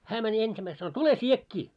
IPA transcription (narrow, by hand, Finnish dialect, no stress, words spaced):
hæː mænʲ ensimæis sɑno tule sʲiekːiː